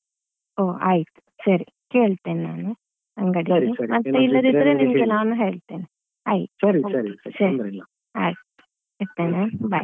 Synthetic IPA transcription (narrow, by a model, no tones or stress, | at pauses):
oːa̰ːjit̪u̥sɐɾi | keːɭt̪eːnnaːnu | ɐŋɡɐɽiemɐt̪ːeilːɐd̪id̪ɐɾeːnimɡɛlaːʋɐnːuɦeːɭt̪eːne | aːjit̪ioɾisɐɾi | ḁː | eɾt̪ːeːnebaj